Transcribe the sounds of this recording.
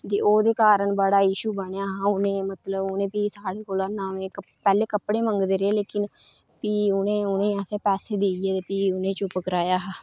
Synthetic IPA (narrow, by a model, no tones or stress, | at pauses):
t̪eːoːd̪eːkaːɾəɳbaɽaːjiːʃuːbəɳjaːɦãːʊnẽːmət̪ləbʊnẽːpiːsaːɽeːkoːlaːnãːʋẽːkə | pɛːleːkəpɽeːməŋɡd̪eːɾeːleːkɪn | piːʊnẽːʊnẽːjãːsɛːpɛːseːd̪iːjeːt̪eːpiːʊnẽːt͡ʃʊpkɾaːjaːɦː